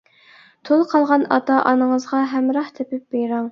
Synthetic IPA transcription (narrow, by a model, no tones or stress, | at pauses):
t̪ʰolˠqʰɑlˠʁɑnɑt̪ʰɑʔɑnəŋəzʁɑɦɛmɾɑht̪ʰepɪp̚bejɾɑŋ